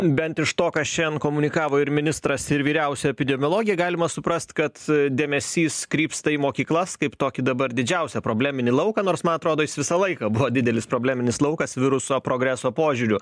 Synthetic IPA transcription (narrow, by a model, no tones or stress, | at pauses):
bʲɛnt̪ɪʃt̪oːkɐʃʲɛnkoːmʊnʲɪkɑːʋoːɪɾmʲɪnʲɪst̪ɾɐsɪɾʋʲiːɾʲɛʊsʲɛɛpʲɪd̪ʲɛmʲolˠoːɡʲɪjɛɡɑːlʲɪmɐsʊpɾɐsʲt̪kɐt̪d̪ʲeːmʲɛsʲiːskɾʲiːpst̪ɐimoːkʲiːklˠɐskɐɪpt̪oːkʲɪd̪ɐbɐɾd̪ʲɪd͡ʒʲɛʊsʲɛpɾoːbʲlʲæːmʲɪnʲɪlˠɐʊkɐːnoːɾsmɐnɐt̪ɾoːd̪oːjɪsʋʲɪsɐlˠɐɪkɐbʊʋoːdʲɪd̪ʲɛlʲɪspɾoːbʲlʲæːmʲɪnʲɪslˠɐʊkɐsʋʲɪɾʊsoːpɾoːɡɾʲæsoːpoːʒʲʊɾʲʊ